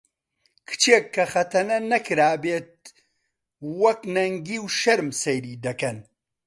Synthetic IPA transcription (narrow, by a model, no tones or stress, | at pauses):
kʰɨ̥t͡ʃeːkʰːɐxɐt̪ɐnɐnɐkʰɨɾaːbeːt̪̚ | wɐknɐŋɡiwʃɐɾmsɐjɾiːd̪ɐkɐn